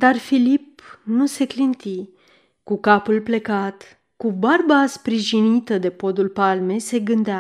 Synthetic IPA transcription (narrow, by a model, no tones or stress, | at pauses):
d̪arfilipnuse̞klint̪i | kukapulple̞kat̪ | kubarbaspɾiʒinit̪əd̪e̞po̞d̪ulpalme̞se̞ɡɨnd̪ea